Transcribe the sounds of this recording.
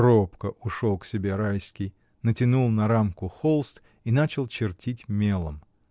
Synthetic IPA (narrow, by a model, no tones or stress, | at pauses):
ɾopkəʔʊʂolˠksʲɪbʲe̞ɾajsʲkʲɪj | nətʲɪnulˠnɐɾamkʊxolˠst̪ | inat͡ɕɪlˠt͡ɕɪrtʲʰitʲmʲe̞lˠə̰m